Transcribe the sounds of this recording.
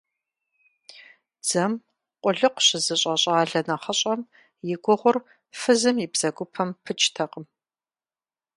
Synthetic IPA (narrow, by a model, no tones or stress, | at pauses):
d͡z̥ɐm | qʷʼʊɮɨqʷʊɕɪzɨɕʼɐɕʼaːɮɐnɐχɐɕʼɐm | jɪɡʷʊʁʷʊr | fɨzɨmibz̥ɐɡʷʊpʰɐmpʰɨt͡ʃʰʼtʰɐqəm